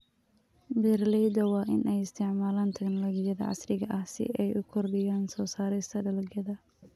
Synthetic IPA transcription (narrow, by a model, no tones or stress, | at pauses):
bɛrlɛːd̪ɐwɑːʔɪnʔɛjɪst̪ʰɪʕmaːlaːnt̪ʰɐɡnlɐɡɪjɐðɐ̰ʕɑ̰srɪɣɐʔɐhsɪ̰ʔɛjʔʊkʰɔrɖɛjaːnsɔːsaːɾɛjst̪ʰɐɖɐlɐɡjɐðɐ